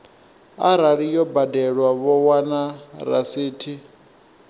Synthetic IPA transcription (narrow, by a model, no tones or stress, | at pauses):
aɾaɺijɔbadɛɺwaβɔwanaɾa̰siːtʰi